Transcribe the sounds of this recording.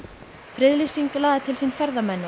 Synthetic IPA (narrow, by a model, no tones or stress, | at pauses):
fɾɪðlisiŋklaːðɪt̪ʰɪlsinfɛɾðamɛnːʏ